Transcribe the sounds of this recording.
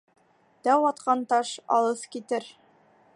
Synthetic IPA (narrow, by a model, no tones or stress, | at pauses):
t̪æwɒt̪qɑnt̪ɑʃɒ̰lˠɤθkit̪ɘɾ